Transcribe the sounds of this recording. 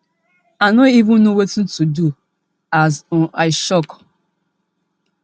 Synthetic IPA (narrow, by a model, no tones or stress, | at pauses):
anoivʊ̃nnuwetun̩tudu | azʔaɪʃɔk